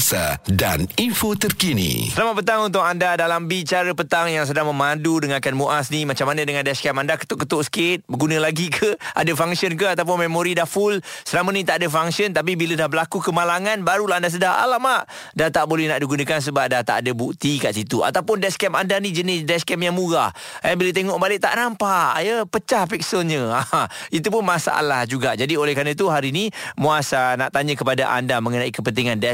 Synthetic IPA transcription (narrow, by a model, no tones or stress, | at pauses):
sa̰daninfot̪ərkinḭsəlamat̪̚pət̪aŋunt̪̬ʊkandadalambit͡ʃaɾəpət̪aŋjaŋs̬ədaŋməmãdudəŋãkanmuʔasnimat͡ʃamanə̃dəŋandɛskɛmandakə̥t̪ʊʔkːət̪ʊʔsə̥kɪt̪̚bəɡunə̃laɡikʰəʔadəfaŋsiənkəat̪awp̬ʊnmemoɾidafʊlsəlamənĩt̪aʔadəfaŋsənt̪ap̬ibilədahbəlakukəmalaŋanbaɾulaɦandas̬ədaɦa̰lamaʔ | dat̪aʔbolɛhnaʔdiɡunəkans̬əbap̚daht̪a̰ʔadəbuk̚t̪ikaʔsit̪ua̰t̪awpʊndɛskɛmandanid͡ʒənɪsdɛskɛmjaŋmuɡa | ɛbilət̪̬eŋɔʔbalɪʔ̚t̪a̰ʔnampajəpət͡ʃahpik̚səɲə̃aait̪upʊnmasa̰ʔa̰lahd͡ʒuɡad͡ʒadiolɛhkɾanət̪̬uɦaɾinimuasana̰ʔt̪aɲəkəpada̰ʔa̰ndamə̃ŋənaikəpənt̪iŋandɛ